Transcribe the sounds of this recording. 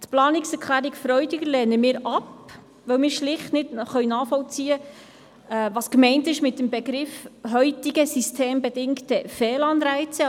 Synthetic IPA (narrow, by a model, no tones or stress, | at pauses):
t̪plɑːnɪksɛɾkʰχlæːɾikfɾœʏdɪɡəɾlɛːnəmɪːɾɑp | ʋœwmɪːɾʃlɪχtnɪdχœɥnɑːχfɔlt͡siːə | ɛʋɑːskmɛɪntɪʃmɪt̚ːəmbɛɡɾɪfɦœʏtiɡəsistʰeːmbɛdɪŋktəfɛːlɑnɾæɪt͡sə